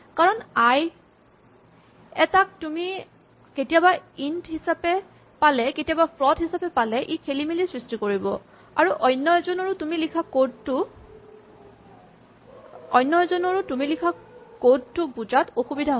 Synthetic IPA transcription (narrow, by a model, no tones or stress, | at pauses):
kaɹɔnaj | ɛtak̚tumi | ketijabaintɦisapɛ | palɛketijabapʰlɔdɦisapɛpalɛʔikʰelimilisɹistikoɹibɔ | a̰ɹuʔɔjnːɔzɔnɔɹʊtumilikʰakod̚tʊ | ɔjnːɔzɔnɔɹʊtumilikʰakod̚tʊbuzatoxubidʱaɦo